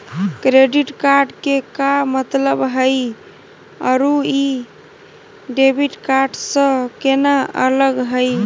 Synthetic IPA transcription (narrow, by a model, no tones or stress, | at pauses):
kɾeɖiʈkaɾɖkekamət̪ləbɦəj | ə̰ɾui | ɖebʱiʈkaɾɖsə̃kenaʔələɡɦəj